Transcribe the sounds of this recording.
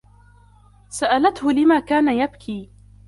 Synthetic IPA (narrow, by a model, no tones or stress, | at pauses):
saʔalat̪hʊlɪmaːkaːnajabkʰiː